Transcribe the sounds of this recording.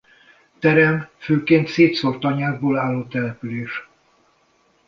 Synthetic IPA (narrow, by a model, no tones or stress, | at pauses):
t̪ɛɾɛmføːkeːnt̪seːt̪sort̪ɒɲaːzboːlaːlːoːt̪ɛlɛpyleːʃ